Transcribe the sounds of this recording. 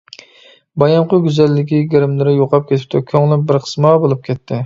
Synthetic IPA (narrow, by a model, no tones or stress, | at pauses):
bɑjɑmqʊɡʲyzɛlːɪkʲiɡʲeɾɪmlɪɾɪjoqʰɑp̚kʲʰet̪ʰɪ̥p̚t̪ʰɪkʲʰøŋlˠɪbɪɾqʰə̥smɑbolˠup̚kʲʰɛt̪ʰːɪ